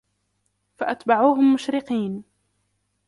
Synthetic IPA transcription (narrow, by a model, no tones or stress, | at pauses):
faʔat̪baʕuːɦʊmːʊʃɾɪqiːn